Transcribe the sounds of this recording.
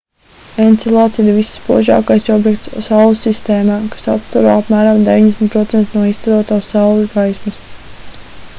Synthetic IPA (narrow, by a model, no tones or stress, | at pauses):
ent̪silˠat̪siɾvisːpṵɔʒɑ̰ːkajsɔbjɛkt̪ssawlˠusist̪eːmaːkḁsat̪st̪aɾa̰ːapmæːɾamd̪evʲiɲd̪esn̩t̪̚pɾɔt̪sɛnt̪nuɔist̪aɾuɔt̪aːsːawlˠɡajismɐs